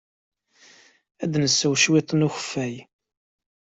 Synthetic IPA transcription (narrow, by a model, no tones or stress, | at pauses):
æd̪nəsːəwʃwɪt̪ˤːənuçə̥fːæj